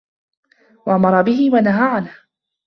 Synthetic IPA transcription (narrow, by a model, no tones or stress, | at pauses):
waʔamɑɾˤɑbɪɦɪwanaɦaːʕanh